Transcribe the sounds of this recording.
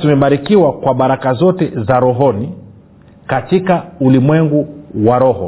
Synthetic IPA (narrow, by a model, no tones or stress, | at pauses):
tumɛɓaɾikiwakwaɓaɾakazɔtɛzaɾɔɦɔni | katikaulimwɛŋɡuwaɾɔhɔ